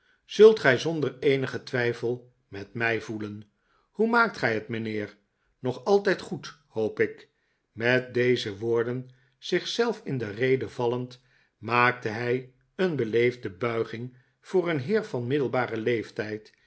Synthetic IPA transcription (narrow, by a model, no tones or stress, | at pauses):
z̥ɵlˠtχɛjzɔndərejnəχətʋɛjfəlˠ | mɛtmɛjvulən | humaːk̚tχɛjɦətmənɪːɹ | nɔχɑlˠtɛjtχut | howpɪk | mɛt̚dejzəʋʊːɹdən | z̥ɪχsɛlˠfɪndərejdəvɑlənt | maːk̚təɦɛj | ənbəlejvdəbœɥχɪŋ | v̥ʊːrənɦɪːɹvɑnmɪdəlˠbaːrəlejftɛjt